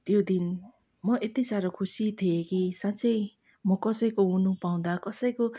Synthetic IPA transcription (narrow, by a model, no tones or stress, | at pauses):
t̪jod̪in | mʌʔet̪isaɾʌkʰusit̪ʰiekisãt͡sʌj | mʌkʌsʌjkounupaw̃d̪akʌsʌjko